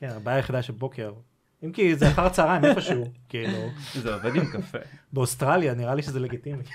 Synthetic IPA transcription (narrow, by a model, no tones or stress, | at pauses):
kenabajajeχid̪aʃelbo̞ke̞ʁ | imkizeaχaʁat͡saːʁaimipaʃukiiluzeovɛd̪imkɐfḛbeost̪ʁaljaniʁaliʃezeleɡit̪imi